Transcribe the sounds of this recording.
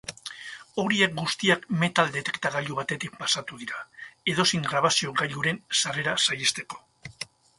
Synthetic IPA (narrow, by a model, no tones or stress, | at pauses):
o̞ɾie̞k̚ɡust̪iakme̞t̪ald̪e̞t̪e̞kt̪aɣaʎuβat̪e̞t̪ik̚pḁsat̪uðiɾae̞ðo̞siŋɡɾaβasio̞ɡaʎuɾe̞nsare̞ɾasajest̪e̞ko̥